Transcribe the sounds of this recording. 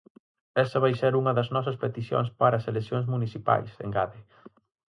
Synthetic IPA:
ɛsɐβ̞ajseɾuŋɐðɐznɔs̬ɐspet̪iθjo̰ŋspaɾɐːselesjoŋz̬munisipa̰jsḛŋɡaðɪ

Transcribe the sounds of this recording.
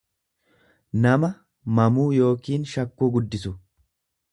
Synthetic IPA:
nɐmɐ | mɐmuːjo̞ːkiːnʃɐkːuːɡʊd̪ːɪsʊ

